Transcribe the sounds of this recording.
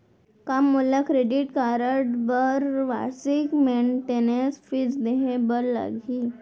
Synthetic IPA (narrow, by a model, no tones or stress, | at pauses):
kamːolːakɾeɖiʈkaɾəʈbəɾʋa̰sikmeɳʈenesfit͡sd̪eɦebəɾla̰ɡʱi